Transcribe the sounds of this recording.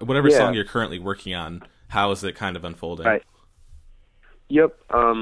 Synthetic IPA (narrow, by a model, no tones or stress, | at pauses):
wʌɾɛvə˞sɔ̃ŋjə˞kʰɜ˞ɨ̃nʔliwɜ˞kʰɪ̃ŋə̃n | haʊəzɨt̚kʰãɪ̃ndʌvə̃ɱfoʊlˠdɪ̃aɪt̚ | jɛp̚ʔʌ̃m